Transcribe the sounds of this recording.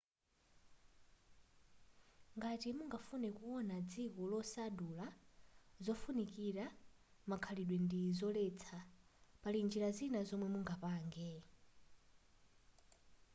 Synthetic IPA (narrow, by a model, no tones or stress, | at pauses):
ŋɡatimuŋɡafunɛkuwɔnad͡zikɔlɔsadula | zɔfunikiɾa | makʰaliɗwɛndizɔlɛt͡sʰapalind͡ʒiɾazinazɔmwɛmuŋɡapaːŋɡɛ